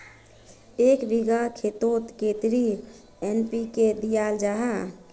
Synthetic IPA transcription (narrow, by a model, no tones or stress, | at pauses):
eːkbiɡakʰet̪ot̪ket̪ɾi | enpikeb̪ijald͡ʒaɦa